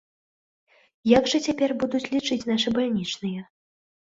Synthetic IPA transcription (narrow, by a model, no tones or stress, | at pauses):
jaɡʐɐt͡sʲapʲɛrbud̪ut͡sʲlʲit͡ʂɨt͡sʲnaʂɨbalʲnʲit͡ʂnɨjɛ